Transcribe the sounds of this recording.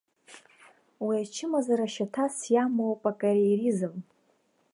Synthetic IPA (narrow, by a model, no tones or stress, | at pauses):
wiat͡ʃʰɪmazaɾaʃatʰasjamowpʼakʼaɾejrizɨm